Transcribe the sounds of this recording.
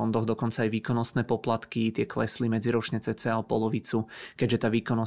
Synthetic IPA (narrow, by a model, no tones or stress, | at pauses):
ɔnd̪ɔɣd̪ɔkɔnt͡saːjʋiːkɔnɔst̪nɛːpɔplat̪kit̪ɪɛklɛ̰slimɛd͡ziɾɔt͡ʃɲɛt͡sɛt͡sɛalpɔlɔʋit͡sukɛɟʒɛt̪aːʋiːkɔnɔ